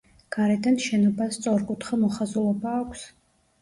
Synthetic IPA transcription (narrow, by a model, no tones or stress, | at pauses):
ɡ̥aɾɛd̪anʃɛnɔbast̪sʼɔɾkʼut̪ʰχamɔχazulˠɔbaːkʷʰs